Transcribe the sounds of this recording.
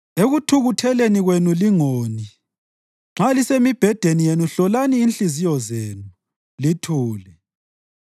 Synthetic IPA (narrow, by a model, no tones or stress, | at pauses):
eɣutʰuɣutʰɛleniɣwenuliŋoni | ŋ͡ǁalisemib̥ʱɛd̥ʱenijenuɬɔlaniːnɬizijɔzeːnu | litʰuːlɛ